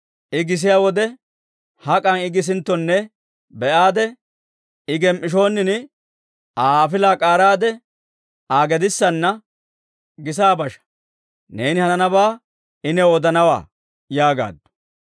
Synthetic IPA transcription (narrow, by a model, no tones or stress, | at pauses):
ʔɪɡɪs̬ɪjaːwɔd̪ɛ | hɐkʼɐnɪɡɪs̬ɪnt̪ːɔnːɛ | bɛʔaːd̪ɛ | ɪɡɛmʔɪʃ̬o̞ːnːɪnɪ | aːfɪlaːkʼaːɾaːd̪ɛ | aːɡɛd̪ɪsːɐnːɐ | ɡɪs̬aːbɐʃɐ̥ | neːnɪhɐnɐbaː | ɪnɛod̪ɐnɐwa̰ː | jaːɡa̰ːd̪ɔ̥